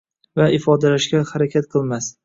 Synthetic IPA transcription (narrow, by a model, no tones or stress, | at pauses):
vaɪfɒd̪alaʃɡʲahaɾakʲʰat̪qʰɨlˠmas